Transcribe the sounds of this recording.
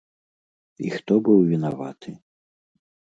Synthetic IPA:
ḭxt̪ɔbɨwvʲinava̰t̪ʰɨ

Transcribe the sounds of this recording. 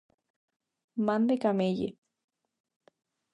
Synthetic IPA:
mand̪ekamejḛ

